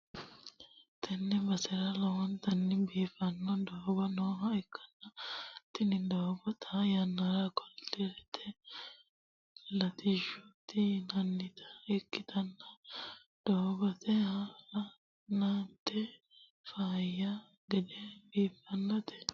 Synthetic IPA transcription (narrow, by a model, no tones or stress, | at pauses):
t̪ʰɐnːɛbɐsɛɾɐlɐwɔnt̪ɐnːɪbiːfɐnːɔd̪oːbɐnoːɦɐɪkʰːɐ̥nːɐt̪ːɪnɪd̪oːbɔt̪ʰɐjɐnːɐɾɐkɔlt̪ːɪɾɛt̪ʰɛ | lɐt̪ɪʃʊt̪ːɪnɐnːɪt̪ɐ̥ɪkːɪt̪ɐnːɐ | d̪̥oːbɐt̪ɛhɐɐ | nat̪ːɛ | faːjːɐ | ɡɛd̪ɛbiːfːɐnːɐt̪ɛ̥